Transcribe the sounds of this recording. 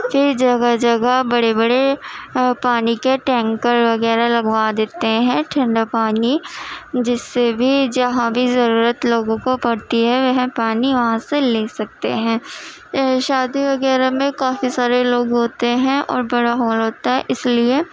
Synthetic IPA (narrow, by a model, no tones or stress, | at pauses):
fɪɾd͡ʒɐɡad͡ʒɐɡabɐɽebɐɽe | paːnikeʈɛ̃ːŋkəɾʋɐɣɛːɾalɐɡʋad̪eːt̪eɦɛ̃ʈʰɐ̃ɳɖapaːni | d͡ʒɪsːebʱid͡ʒɐɦãbʱizɐɾuːɾət̪loːɡõkopɐɽt̪iɦɛʋɛɦɛ̃paːniʋɐɦãseleːsɐk̚t̪ḛɦɛ̃ː | ʃaːd̪iʋɐɣɛːɾamẽkaːfisaːɾeloːɡɦoːt̪eɦɛ̃ʔɔ̰ːɾbɐɽaɦoːlɦoːt̪aɦɛʔɪslie